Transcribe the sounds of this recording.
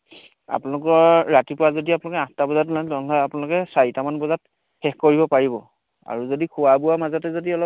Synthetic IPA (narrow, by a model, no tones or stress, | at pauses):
a̰pʊnalʊkɔɹːatipʊɹazodiap̬nalʊkɛãstabɔzat̬unalɔnlɔjapunalʊkɛsajtamanbɔzat | xɛxkoɹibɔpaɹibɔ̰ | a̰ɹuzodikʰʊwabuwamazɔtɛzodiɔlɔ